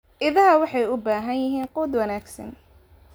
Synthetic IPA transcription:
ʔɪðɐɦɐwɑħɑjʊbaːɦɐnjɪɦiːnquːd̪wɐnaːɡsɐ̰n

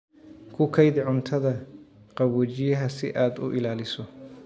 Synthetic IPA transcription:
kʰʊkʰɐjdɪʕʊnt̪ʰɐðɐ | qɑβɔːt͡ʃɪjɐɦɐsɪʔaːd̪ʊ̰ʔɪlaːlɪsɔ

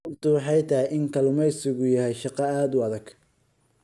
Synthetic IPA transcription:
rt̪ʰʊwɑħɑjt̪ʰɐhɪʔɪŋkʰɐlʊmɛjsɪɣʊjɐɦɛjʃɑqɑaːd̪ʊɐðɐɡ̥

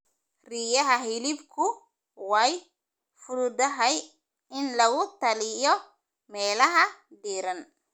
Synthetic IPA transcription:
riːjɐɦɐɦɪlɪbkʰʊ | wɑj | fʊɾʊd̪ɐɦɐj | ɪnlɐɣʊt̪ʰɐlɪjɔ | mɛːlɐɦɐɖiːɾɐn

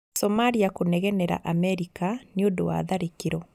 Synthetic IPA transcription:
sɔmaɾiakonɛɣɛnɛɾa̰ʔamɛɾikaneondowa̰ðaɾekeɾɔ

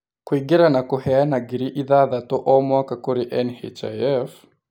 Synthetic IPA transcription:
kwiɡiɾanakuhɛanaɡiɾiʔiðaðatɔʔɔmwakakoɾiʔɛnhɛ̰t͡ʃaɛf

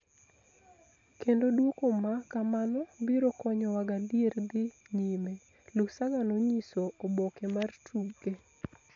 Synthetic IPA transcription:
kendodwokomakamanɔbiɾokɔɲɔwaɡadierd̪ɪ | ɲime | lʊksaɡanoɲisoʔobokemartʰuɡe

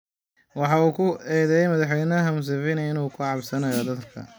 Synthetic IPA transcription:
wɑħɑuːkʰʊɛːðɛjɛjmɐðɑħwɛjnɐɦɐmʊs̬ɐfɪnɐɪnuːkʰʊʕɑbsɐnɐjɔd̪ɐðkʰɐ̰

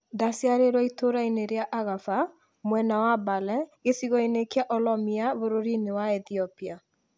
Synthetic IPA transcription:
dasjaɾeɾwɔitoɾaineɾeaʔaɣafa | mwɛnawabalɛɣesiɣɔinekeaʔɔlɔmiaβoɾoɾinewaɛθiɔpia

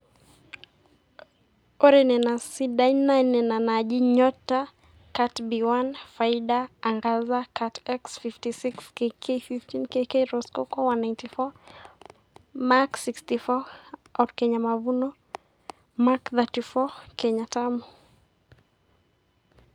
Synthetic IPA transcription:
ɔɾɛnɛnasidajnːajnɛnanaʄiɲɔta | katbiwanfaiɗaːŋɡazakatɛksfiftisikskekʰefiftinkekeɾɔskɔkɔwanajntifɔ | maksikstifɔawtkɛɲamavunɔ | makðatifɔkɛɲatamɔ

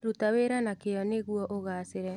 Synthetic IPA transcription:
ɾutaweɾanakejɔneɣuɔʔoɣaseɾɛ

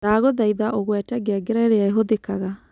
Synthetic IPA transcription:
ɾaːɣoðaiðaʔoɣwɛtɛɡeaɡeɾɛɾeaeɦoðekaɣa

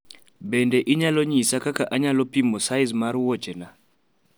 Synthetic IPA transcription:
bɛndɛʔiɲalɔɲisakakaʔaɲalɔpimɔsaɪzmaɾwɔt͡ʃɛna

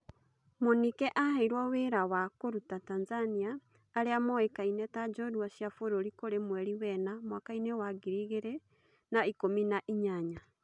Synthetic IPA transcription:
monikɛʔahaiɾwɔweɾawakoɾutatanzaniaː | ɾeamɔekainɛtad͡ʒɔdwaʃjafoɾoɾikoɾemwɛɾiwɛnamwakainewaɡiɾiɣeɾe | naikominaʔiɲaɲa

